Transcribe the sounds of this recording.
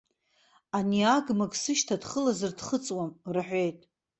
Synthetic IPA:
aniaɡmakʼsɨʃtʰadχəlazɨrdχət͡sʼwamrħʷᶣe̞jtʼ

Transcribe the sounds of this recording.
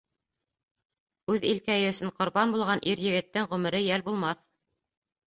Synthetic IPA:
ʉðilkæjɘɵ̆sɘɴqŏɾbɑnbulˠʁɑnʔiɾjɘ̆ɡɘ̆t̪ːɘŋʁɵ̆mɘ̆ɾɘjælbulˠmɑθ

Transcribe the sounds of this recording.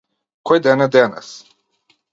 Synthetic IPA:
kɔjd̪ɛnad̪ɛnɛ̰s

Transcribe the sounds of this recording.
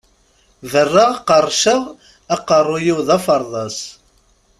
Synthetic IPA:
vərːaʁɑqərˤʃəʁ | æqərˤːʊjiwðɑfəɾˤðˤɑs

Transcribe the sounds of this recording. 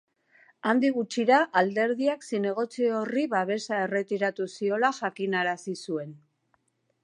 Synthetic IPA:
and̪iɣut͡ʃiɾaʔald̪e̞ɾðiaksine̞ɣ̞o̞t͡sio̞riβaβe̞sae̞re̞t̪iɾat̪usio̞laʝakinaɾasisue̞n

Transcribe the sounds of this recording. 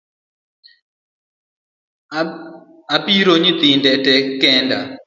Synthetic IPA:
apiɾoɲit̪ɪndɛtɛkɛnda

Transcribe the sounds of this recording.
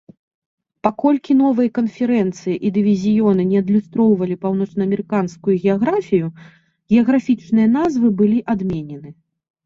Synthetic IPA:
pakɔlʲkʲin̪ɔvɨjɐkɐnfʲɛɾɛnt̪sɨjiʔid̪ɨvʲizʲijɔnɨnʲɛɐd̪lʲust̪ɾɔwvɐlʲipawnɔt͡ʂnɐɐmʲɛɾɨkanskujuɣʲɛaɣɾafʲiju | ɣʲɛɐɣɾafʲit͡ʂnɨjɐn̪azvɨbɨlʲiʔad̪mʲenʲɛnɨ

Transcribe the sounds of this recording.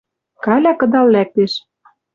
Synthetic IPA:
kɑlʲɑkɤ̆d̪ɑlːæk̚t̪eʃ

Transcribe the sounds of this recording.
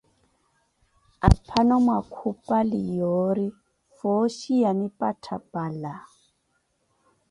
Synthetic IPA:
a̰pʰanɔmwakʰupalijoɾi | fɔʃianipʼatʰapʼala

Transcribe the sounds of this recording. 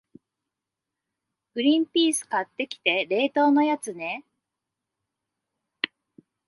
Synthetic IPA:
ɡ̥ɯ̟ɾʲĩmpʲiːsɨ̥kat̪ːe̞kʲi̥t̪e̞ɾe̞ːt̪o̞ːno̞jat͡sɨne̞

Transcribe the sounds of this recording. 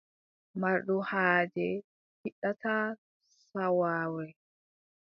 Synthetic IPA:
maɾɗuhaːd͡ʒɛ | hiɗːata | sawaːwɛ

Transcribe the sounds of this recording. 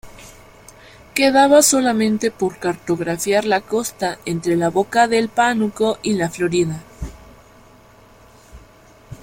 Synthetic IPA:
ke̞ðaβaso̞lamẽ̞nt̪e̞po̞ɾkaɾt̪o̞ɣɾafjaɾlako̞st̪aʔe̞nt̪ɾe̞laβo̞kaðe̞lpanuko̞ʔilaflo̞ɾiða

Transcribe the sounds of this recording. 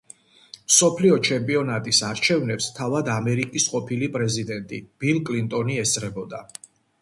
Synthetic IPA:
msɔpʰliɔt͡ʃʰɛmpʼiɔnat̪ʼisaɾt͡ʃʰɛvnɛpst̪ʰavad̪amɛɾikʼisqʼɔpʰilipʼɾɛzid̪ɛnt̪ʼḭb̥ilˠkʼlint̪ʼɔniɛsʼɾɛbɔd̪a

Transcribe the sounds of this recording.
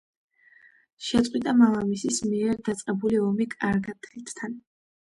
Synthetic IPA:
ʃɛt̪sqʼwit̪ʼamalˠamisismiɛɾd̪at̪sʼqʼɛbuliɔmikʼaɾɡat̪ʰɛit̪ʰt̪ʰan

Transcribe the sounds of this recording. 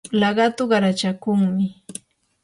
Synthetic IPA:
lɑɢɑt̪ʊɢɑɾat͡ʃakʊŋmɪ

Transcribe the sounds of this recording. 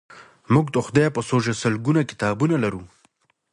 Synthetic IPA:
muɡd̪əxʊd̪ajpəsoʒasəlɡunakɪ̥t̪ɑbunalaɾu

